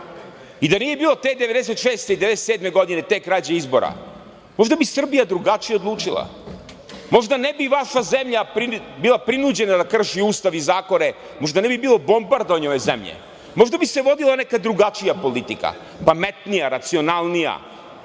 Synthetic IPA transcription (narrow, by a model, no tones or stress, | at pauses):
id̪anije̞biːlˠo̞t̪eːd̪eʋed̪es̬et̪ʃeːst̪eid̪eeeset̪sed̪me̞ɡo̞d̪ine̞t̪ekːɾaːt͡ɕeizbo̞̰ɾa̰ | mo̞ʒd̪abisr̩bijad̪ɾuɡat͡ʃijeod̪lˠuːt͡ʃilˠa̰ | mo̞ʒd̪anebiʋaʃazemʎapɾibilˠapɾinud͡ʑe̞nad̪akr̩ʃiuːst̪aʋizaːko̞ne | moʒd̪anebibiːlˠo̞bo̞mbaɾd̪oɲoʋe̞zemʎḛ | mo̞ʒd̪abise̞ʋo̞d̪ilˠanekad̪ɾuɡat͡ʃijapo̞lit̪ika̰ | pamet̪nijaɾat̪sio̞nalˠnija̰